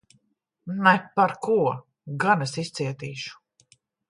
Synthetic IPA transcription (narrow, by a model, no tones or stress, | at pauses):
nɛpaɾkuɔ | ɡanɛsist̪siɛt̪iːʃu̥